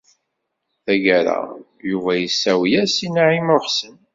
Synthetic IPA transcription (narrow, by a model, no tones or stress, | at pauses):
θæʝæɾa̰ | juvæjəsːæwjæsinaʕimʊχsən